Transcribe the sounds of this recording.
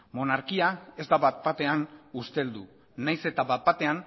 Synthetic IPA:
mo̞naɾkiae̞zd̪aβat̪̚bat̪e̞anust̪e̞ld̪u | najse̞t̪aβat̪̚bat̪e̞an

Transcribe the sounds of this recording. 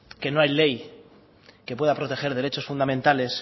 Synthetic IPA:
ke̞no̞ajle̞j | ke̞pweðapɾo̞t̪e̞xe̞ɾðe̞ɾe̞t͡ʃo̞sfund̪amẽnt̪ale̞s

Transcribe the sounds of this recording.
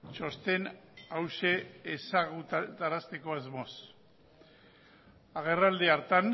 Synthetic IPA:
t͡ʃo̞st̪e̞nawʃe̞ːsaɣutt̪aɾast̪e̞ko̞azmo̞s | aɣ̞e̞rald̪eaɾt̪an

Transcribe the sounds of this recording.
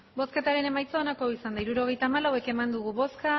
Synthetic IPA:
bo̞ske̞t̪aɾe̞ne̞majt͡soːnako̞isand̪aiɾuɾo̞ɣ̞e̞jt̪aːmalawe̞ke̞mand̪uɣ̞uβo̞ska

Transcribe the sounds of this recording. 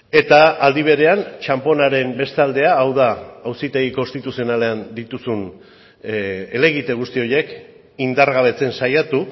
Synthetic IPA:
e̞t̪aːld̪iβ̞e̞ɾe̞ant͡ʃampo̞naɾe̞mbe̞st̪ald̪e̞aːwðaːwsit̪e̞ɣ̞iko̞nst̪it̪usio̞nale̞and̪it̪usun | ele̞ɣit̪e̞ɣ̞ust̪io̞je̞k | ind̪aɾɣaβ̞e̞t͡se̞nsajat̪u

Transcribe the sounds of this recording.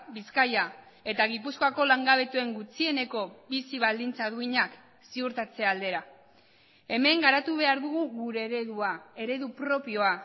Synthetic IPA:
biskaja | e̞t̪aɣ̞ipuskoako̞laŋɡaβ̞e̞t̪ue̞ŋɡut͡sie̞ne̞ko̞bisiβ̞ald̪int͡saðuiɲak | siuɾt̪at͡se̞ald̪e̞ɾa | e̞me̞ŋɡaɾat̪uβ̞e̞aɾðuɣ̞uɣuɾe̞ɾeðuae̞ɾe̞ðupɾo̞pio̞a

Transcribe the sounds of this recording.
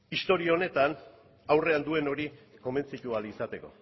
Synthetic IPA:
ist̪o̞ɾiao̞ne̞t̪an | awre̞and̪ue̞no̞ɾiko̞me̞nt͡sit̪ualisat̪e̞ko̞̰

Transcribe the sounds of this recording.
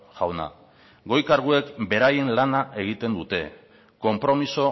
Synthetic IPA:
ʝawna̰ | ɡo̞jkaɾɣ̞ue̞kbe̞ɾajenlanaʔe̞ɣ̞it̪e̞nd̪ut̪e̞ | ko̞mpɾo̞miso̞

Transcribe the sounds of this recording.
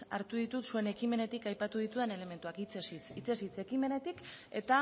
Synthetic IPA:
a̰ɾt̪uðit̪ut̪sue̞ne̞kime̞ne̞t̪ikajpat̪uð̞it̪uðene̞le̞me̞nt̪uakit͡sest͡sit͡se̞sit͡se̞kime̞ne̞t̪ike̞t̪a

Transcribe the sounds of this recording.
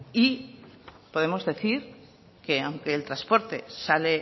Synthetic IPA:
i | po̞ðemo̞zðe̞θiɾ | ke̞awŋkeːlt̪ɾaspo̞ɾt̪e̞sale

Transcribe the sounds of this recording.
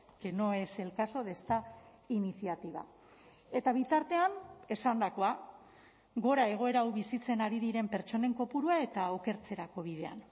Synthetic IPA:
keno̞e̞se̞lkaso̞ð̞e̞st̪a | inisiat̪iβa̰ | e̞t̪aβ̞it̪aɾt̪e̞ane̞sand̪ako̞a | ɡo̞ɾae̞ɣ̞o̞e̞ɾawβisit͡se̞naɾiðiɾe̞mpe̞ɾt͡ʃo̞ne̞ŋko̞puɾuae̞t̪ao̞ke̞ɾt͡se̞ɾako̞β̞iðe̞a̰n

